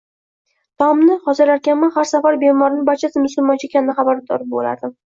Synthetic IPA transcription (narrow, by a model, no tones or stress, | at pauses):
t̪ʰɒmnɪχɒzɪɾaɾkʲanmanχaɾsafaɾbemɒɾɪnɪbaɾt͡ʃʰasɪmʊsʊlmɒnt͡ʃʰaekʲʰanːɪχɑbaɾd̪ɒ̰ɾɪp̚bo̰la̰ɾd̪ɪ